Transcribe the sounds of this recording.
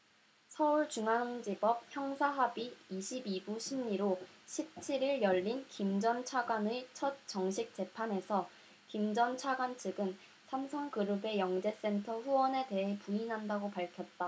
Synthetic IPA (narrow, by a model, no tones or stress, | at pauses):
sʰʌuɭt͡ɕuŋanoŋd͡ʑibʌp̚çjʌŋsʰaɦabiːɕʰibibuɕʰimɲiɾoɕʰip̚t͡ɕʰiɾiɭjʌʎːinkimd͡ʑʌnt͡ɕʰaɡwanɯt͡ɕʰʌt̚t͡ɕʌŋɕʰik̚t͡ɕ͈e̞pʰane̞sʰʌ | kimd͡ʑʌnt͡ɕʰaɡwant͡ɕʰɯɡɯn | sʰamsʰʌŋkɯɾɯbe̞jʌŋd͡ʑe̞s͈e̞ntʰʌɸuwʌne̞te̞ɦepuinɦandaɡopaɭkʰjʌt̚t͈a